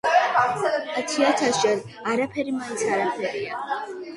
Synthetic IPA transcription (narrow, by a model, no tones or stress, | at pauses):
at̪ʰiat̪ʰaʃɛɾ | aɾapʰɛɾimainsʰaɾapʰɛɾia